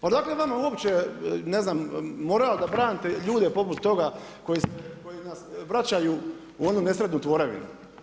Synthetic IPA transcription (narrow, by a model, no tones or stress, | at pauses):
pad̪aːkleʋamauo̞pt͡ɕene̞znamːo̞ɾalad̪abɾaːnit̪eʎuːd̪epo̞put̪ːo̞ɡa | ko̞jiskojinasʋɾat͡ɕaju | uo̞nune̞sɾed̪nut̪ʋo̞ɾaʋḭnu